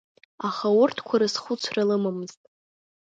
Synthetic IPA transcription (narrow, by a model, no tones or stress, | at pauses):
aχawʊrtʰkʷʰaɾɨsχʷʊt͡sʷʰralɨmamɨz̥tʼ